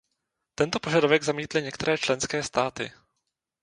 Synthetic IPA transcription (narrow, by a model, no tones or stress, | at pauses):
t̪ɛnt̪o̞po̞ʒadovɛɡzamiːt̪lɪɲɛkt̪ɛɾɛːt͡ʃlɛnskɛːst̪aːt̪ɪ̰